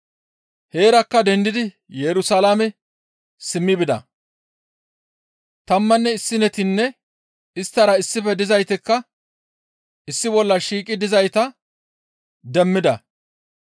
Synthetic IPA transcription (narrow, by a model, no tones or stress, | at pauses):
he̞ːɾɐkːɐd̪ɛnd̪ɪd̪ɪ | jɛɾʊsɐlamɛ | sɪmːɪbɪd̪ɐ̰ | t̪ɐmːɐnːɛɪsːɪnɛt̪ɪnːɛ | ɪst̪ːɐɾɐɪsːɪfɛd̪ɪzɐjt̪ɪkːɐ | ɪsːɪbɔlːɐʃiːkʼɪd̪ɪzɐjt̪ɐ | d̪ɛmːɪd̪ɐ